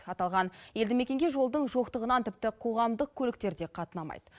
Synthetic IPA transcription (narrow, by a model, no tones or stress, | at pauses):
ɑt̪ɑlˠʁɑnje̞ld̪ɪme̞kʲe̞ŋɡʲe̞ʒo̞lˠd̪əɴʒo̞qt̪əʁənɑnt̪ɪp̚t̪ɪqʰo̞ʁɑmd̪əq̚kʲʰɵlɪkt̪e̞ɾd̪e̞qʰɑt̪ənɑmɑ̰jd̪̥ə